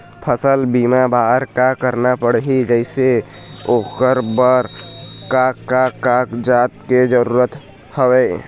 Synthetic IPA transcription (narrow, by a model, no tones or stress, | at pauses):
pʰəsəlbiːmabaːɾkakəɾnapəɽɦid͡ʒəɪse | oːkəɾbəɾkakakakd͡ʒaːt̪̚ked͡ʒəɾuːɾət̪ | həweː